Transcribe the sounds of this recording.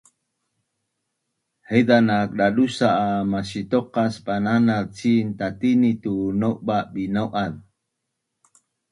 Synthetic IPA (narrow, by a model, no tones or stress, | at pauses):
hejd̪anak̚ɗaɗusaʔamaʃit̪oqaspananaðt͡sint̪at̪init̪unowʔbabinawʔað